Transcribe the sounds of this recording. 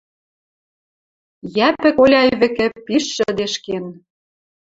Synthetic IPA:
jæpɘ̆kolʲɑjβɘ̆kɘ̆piʃːɘ̆d̪eʃken

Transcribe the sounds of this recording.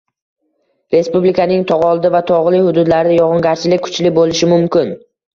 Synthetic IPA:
ɾe̞spublɪkʰanɪŋt̪ʰɒʁɒlˠd̪ɪvat̪ʰɒʁlˠɪhʊd̪ʊd̪laɾɪd̪ajɒʁɑŋɡʲaɾt͡ʃʰɪlɪk̚ʲkʰʊ̥t͡ʃlɪbolɪʃɪmʊmkʲɪn

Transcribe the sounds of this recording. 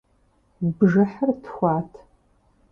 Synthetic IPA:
bʒɐħərtxʷɑːtʰ

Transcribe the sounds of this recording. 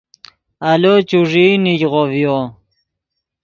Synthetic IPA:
alot͡ɕuʐiːnid͡ʑʁovjo

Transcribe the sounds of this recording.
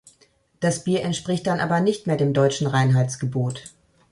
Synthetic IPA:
d̥asb̥iːɐʔɛntʃpʁ̥ɪçt̚d̥anʔa̰ːbɐnɪçtmeːɐdeːmdɔʏt͡ʃn̩ʁaɪnɦaɪt͡sɡ̥əboːt

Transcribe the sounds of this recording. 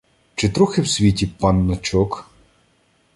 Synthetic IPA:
t͡ʃɪt̪ɾɔxɪwsʲʋʲitʲipɑnːɔt͡ʃɔk

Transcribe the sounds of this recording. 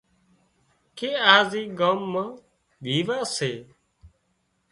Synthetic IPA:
keːaːziːɡaːmːãː | bʱiːʋaːseː

